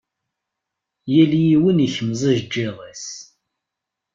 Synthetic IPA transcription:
jæljiwəniçəməzˤiʒd͡ʒːeðˤes

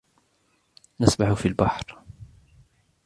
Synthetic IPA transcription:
nasbaħʊfilbaħɾ

